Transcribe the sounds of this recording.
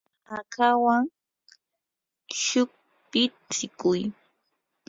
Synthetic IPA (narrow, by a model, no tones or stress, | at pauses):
akʰawaŋ | ʃʊk̚ | pɪ | t͡sɪkʊj